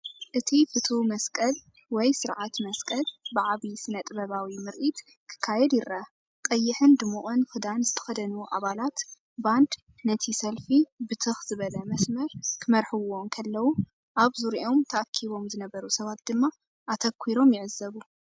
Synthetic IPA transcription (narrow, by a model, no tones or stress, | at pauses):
ʔɨt̪ʰifɨt̪ʰumɐskʼɐl | wɔjsɨɾʕat̪mɐskʼɐlbɨʕaβisɨnɐt̪ʼbɐβawimɨɾʔit̪ | kʰɨ̥kʰːajɛd̪jɪɾɐ | kʼɐjːɪħɨnd̪ɨmuʔʼɨnfɨd̪anzɨt̪ʰɐ̥xɐd̪ɐnuʔa̰βalat̪ | band̪ | nɐt̪ʰisɐlfibɨt̪ʰɨxz̥ɨβɐlɐmɐsmɐɾkʰɨmɐɾħɨwo̞ŋkʰɐlːɐwu | ʔaβzuɾiʔo̞mt̪ʰɐʔakʰːiβo̞mzɨnɐβɐɾusɐβat̪̚d̪ɨmːa | ʔat̪ʰɐkʰːiɾo̞mjɪʕɨzːɐβu